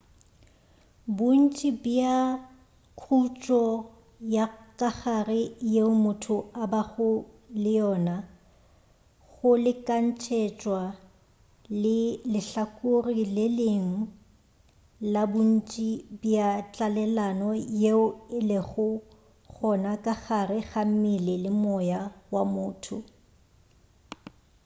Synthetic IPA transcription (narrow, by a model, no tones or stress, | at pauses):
bʊn̩t͡ʃʼibia | kʰut͡ʃʼɔ | jakʼaχarɪjeʊmʊtʰʊabaɣʊ | lɪjɔːna | ɣʊlɪkʼan̩t͡ʃʰɛt͡ʃʼwa | lɪlɪɬakʼʊrileleŋ̩ | labʊn̩t͡ʃʼibjat͡ɬʼalɛlanɔjeʊɪleχʊ | ɣɔnakʼaɣarɪɣam̩mɪlɪlɪmɔjawamʊːtʰʊ